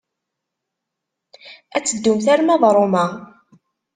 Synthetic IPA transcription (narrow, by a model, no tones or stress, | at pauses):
æt͡sːəd̪ːumθæɾmæðˤɾˤomæ